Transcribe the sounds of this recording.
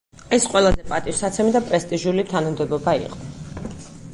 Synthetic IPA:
ɛsqʼwɛlˠazɛpʼat̪ʼiʃsat̪sʰɛmid̪apʼɾɛst̪ʼiʒulit̪ʰanumd̪ɛbɔbaḭqʼɔ̥

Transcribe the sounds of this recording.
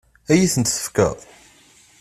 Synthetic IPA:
æjiθənt̪sə̥fkə̰ðˤ

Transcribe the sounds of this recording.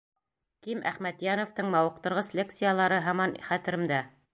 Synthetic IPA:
kimʔæ̰χmæt̪jænoft̪ɤɴmɑwɤ̆q̚t̪ɤ̆ɾʁɤsʲlʲek̚t̪sɨjalˠɑɾɤɦɑmɑnχæt̪ɘ̆ɾɘ̆md̪æ

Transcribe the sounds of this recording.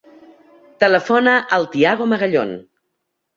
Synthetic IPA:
t̪ələfonəʔəlˠt̪iaɣoməɣəʎo̰n

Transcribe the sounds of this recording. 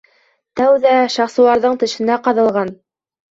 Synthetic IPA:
t̪æwðæʃɑχsɤ̆lˠɑɾðɤɴt̪ɘ̆ʃɘ̆næqɑðɤ̆lˠʁɑn

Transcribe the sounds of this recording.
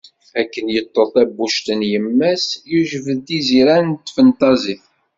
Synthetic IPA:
ækːənjət̪ˤːəθˤæbːuʃt̪ənjəmːæsjuʒvəðiziɾænt̪fənt̪ɑziθ

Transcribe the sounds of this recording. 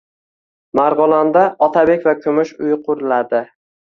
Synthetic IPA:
maɾʁʊlˠand̪aɒt̪ʰabe̞kʲvakʲʰʊmʊʃʊjqʰʊɾlad̪ɪ

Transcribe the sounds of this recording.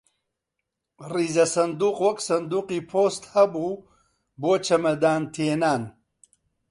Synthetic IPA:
riːzɐsɐnd̪uːqwɐksɐnd̪uːqiːpʰoːst̪hɐbuː | boːt͡ʃɐmɐd̪aːnt̪ʰeːnaːn

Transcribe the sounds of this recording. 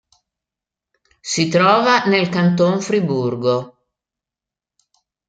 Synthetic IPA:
sit̪ɾɔːvanelkant̪̬oɱfɾiburɡo

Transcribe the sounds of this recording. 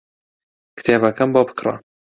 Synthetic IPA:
kɨ̥t̪ʰeːbɐkɐmboːbɨ̥kra̰

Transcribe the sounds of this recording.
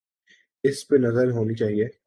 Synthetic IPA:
ɪsbenɐzəɾɦoːnit͡ʃaːɦieː

